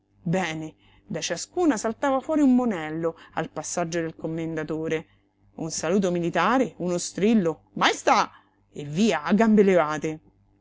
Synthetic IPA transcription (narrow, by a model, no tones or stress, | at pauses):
bɛːne | d̪at͡ʃaskuːnasalt̪aːvafwɔːɾiumːonɛlːoa̰lpasːad͡ʒːod̪elkomːend̪at̪oːɾe | unsaluːt̪̬omilit̪aːɾeunost̪ɾilːo | majst̪a | evːiːaːɡːambelevaːt̪e